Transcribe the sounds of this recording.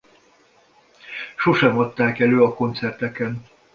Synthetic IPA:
ʃo̞ʃɛmɒt̪ːaːkɛløːɒko̞nt̪sɛrt̪ɛkɛn

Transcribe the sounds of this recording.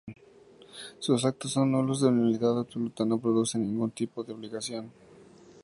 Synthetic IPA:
sus̬ak̚t̪osːo̞nːolozðenaliðaðabsolut̪ano̞pɾoðusenːĩŋɡunt̪ipoðeo̞βliɣasjo̞n

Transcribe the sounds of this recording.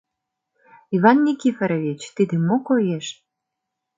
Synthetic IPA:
iβɑnːʲikʲifeɾoβʲit͡ɕt̪id̪ĕmokojeʃ

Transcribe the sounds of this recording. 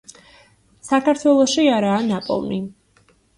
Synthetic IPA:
sakʰaɾt̪ʰwɛlˠɔʃiaɾaːnapʼɔ̰lˠmi

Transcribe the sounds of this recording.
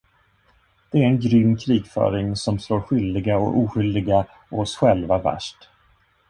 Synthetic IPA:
d̪̥ɛæɾɛnɡɾʏmːkʰɾiːɡfœ̰ːɾɪŋsɔmsloːɾɧʏld̪ɪɡaɔ̰ʔuːɧʏld̪ɪɡa | ɔɔsɧɛlvavæ̰ʂʈ

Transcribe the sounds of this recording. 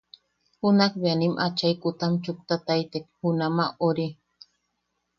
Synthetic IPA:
hʊnakbanimʔat͡ʃajkʊt̪amt͡ʃʊk̚t̪at̪ajt̪ek̚hunamaʔoɾi

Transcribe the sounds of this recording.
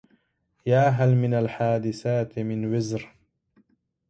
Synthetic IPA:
jaːɦalmɪnalħaːd̪ɪsaːt̪mɪnwɪzɾ

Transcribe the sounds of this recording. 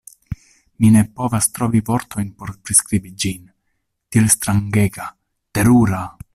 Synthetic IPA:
mine̞po̞vast̪ɾo̞vivo̞ɾtʰo̞jnpo̞ɾpɾiskɾibid͡ʒin | tielst̪ɾaŋɡe̞ɡa | te̞ɾuɾa

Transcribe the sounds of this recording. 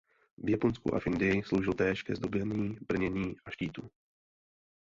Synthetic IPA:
vjaponskṵʔa̰fɪndɪjɪslo̞wʒɪlt̪ɛːʃkɛzd̪o̞bɛɲiːbr̩ɲɛɲiːʔaʃciːt̪u

